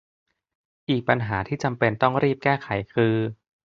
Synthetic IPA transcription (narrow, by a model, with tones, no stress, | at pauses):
ʔiː˨˩k̚pa˧nɦaː˩˦t̪ʰiː˥˩t͡ɕa˧mpe˧nt̪ɔ˥˩ŋɾiː˥˩p̚kɛː˥˩xʰa˩˦jkʰɯː˧